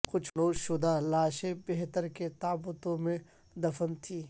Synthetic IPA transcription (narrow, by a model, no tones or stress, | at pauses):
kʊt͡ʃʰnoːʃʊd̪alaːʃẽbeɦt̪əɾket̪aːbət̪õmẽ | d̪ɐfənt̪ʰiː